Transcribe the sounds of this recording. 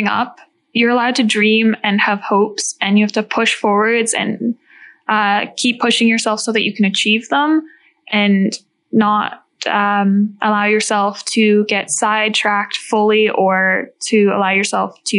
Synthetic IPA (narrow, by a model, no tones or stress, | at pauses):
ŋʌ̰p̚ | jə˞əlaʊd̚tʰɨdɹĩmɨ̃nəv̥hoʊpsɨ̃njɨhæftɨpʰʊʃfɔɹwə˞dz̥ɨ̰̃n | ʔʌkʰipʰːʊʃɪ̃ŋjə˞sɛlˠfsoʊðɨt͡ʃɨkʰɨ̃nɨt͡ʃʰivðə̃m | ʔɨ̃nː | əɾ | ʌ̃mʔəlaʊjə˞sɛlˠftʰɨɡɛtsaɪd̚tʰɹ̥æk̚tfʊlˠiʔə˞ɾʰɨə̰laʊjə˞sɛ̰lˠftʰɨ